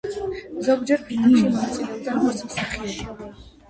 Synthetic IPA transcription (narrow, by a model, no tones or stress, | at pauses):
zɔɡd͡ʒɛɾpʰinnʃimɔnat̪sʼilɛbd̪aɾmɔɾt̪sʰmsaχiɛbi